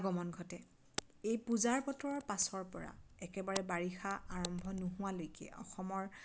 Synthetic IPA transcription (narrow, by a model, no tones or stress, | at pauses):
ɡɔmɔnɡʱɔtɛ | ejpuzaɹpɔtɔɹɔɹpasɔɹpɔɹa̰ɛkɛbaɹɛbaɹixaaɹɔmbʱɔnʊɦʊwalojkɛ̰ʔɔ̰xɔmɔɹ